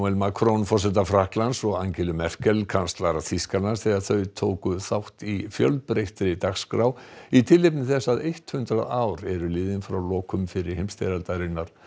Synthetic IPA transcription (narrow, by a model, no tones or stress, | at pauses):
ɛlmakʰɾownfɔrsɛt̪afɾahklansɔɣaŋcɪlʏmɛr̥kɛlkʰanst̪laɾaθiskanaɾ̥θɛɣaɾθœɥt̪ʰoːwkʏθawht̪ifjœlpɾejht̪ɾɪt̪axskɾawit̪ʰɪlːejpnɪθɛsːaðejht̪hʏnt̪ɾaðaːwɾɛɾʏlɪːðɪnfɾawlɔːkʏmfɪɾɪɾ̥hejmst̪eɾalt̪aɾɪnːaɾ̥